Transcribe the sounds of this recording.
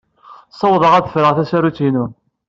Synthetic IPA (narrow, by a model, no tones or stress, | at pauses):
sˤɑwðˤəʁaðəfɾəʁθæsæɾut͡sːinun